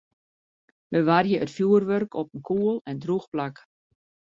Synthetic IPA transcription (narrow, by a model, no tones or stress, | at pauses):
bəʋarjəʔətfjuərʋørkʰɔpənkʰuəlˠɛndruxplak